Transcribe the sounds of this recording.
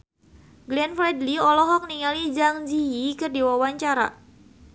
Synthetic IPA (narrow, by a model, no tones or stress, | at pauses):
ɡlɛnfɾɛdliɔlɔɦɔk̚niŋalid͡ʒaŋd͡ʒiikɨrdiwawaɲt͡ʃaɾa̰